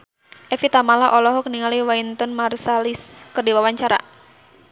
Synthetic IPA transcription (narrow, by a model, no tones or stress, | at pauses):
ʔɛfit̪amalaʔɔlɔɦɔkniŋaliwaint̪ɔnmarsaliskɨrdiwawaɲt͡ʃaɾa̰